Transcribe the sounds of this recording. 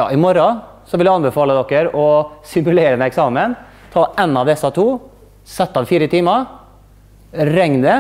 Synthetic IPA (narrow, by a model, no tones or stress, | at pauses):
ɑ̰ːɪmɔɾɑ | sɔʋɪld̪ʉɑnbɛfɑːləd̪ɔkːəɾɔsɪmʉleːɾənəɛksɑːmən | t̪ʰɑːɛnːɑʋd̪ɛsɑt̪ʰuː | sɛt̪ːɑd̪fiːɾət̪ʰiːmɑ | ɾɛŋnə